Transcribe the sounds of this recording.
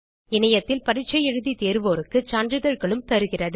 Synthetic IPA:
ɪnɐjɐt̪ːɪlpɐɾɪt͡ʃːɐjɛɻɯðit̪eːɾɯʋoːɾɯkːɯt͡ʃaːndrɯðɐɾɣɐɭɯmt̪ɐɾɯɣɪrɐðɯ

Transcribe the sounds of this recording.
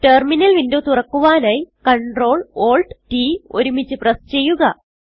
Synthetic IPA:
ʈerminɐlʋindoːt̪urɐkːuʋaːnɐjkɐɳɖro̞ːɭoːlɖtiːo̰ɾumit͡ɕːɨprɐst͡ɕe̞jːuɣɐ

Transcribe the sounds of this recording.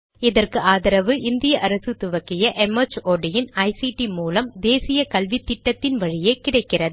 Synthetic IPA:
ɪðɐrkɯʔaːðɐɾɐʋɯʔɪnd̪ɪjɐʔɐɾɐsɯt̪ʊʋɐkːɪjɐʔɛmɐt͡ʃoːɖɪjɪnɐɪsiʈimuːlɐmd̪eːsɪjɐkɐlʋɪt̪ːɪʈːɐt̪ːɪnʋɐɻɪjeːkɪɽɐɪkːɪrɐð

